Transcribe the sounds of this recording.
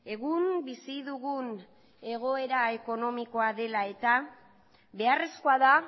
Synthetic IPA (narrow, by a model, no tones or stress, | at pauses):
e̞ɣunbisiðuɣun | e̞ɣ̞o̞e̞ɾae̞ko̞no̞miko̞aðe̞lae̞t̪a | βe̞are̞sko̞aða